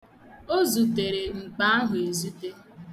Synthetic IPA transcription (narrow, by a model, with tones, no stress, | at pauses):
o˦zu˨te˨ɾe˨ŋ͡m̩˨k͡pa˦a˦ɦʊ˨e˨zu˦te˦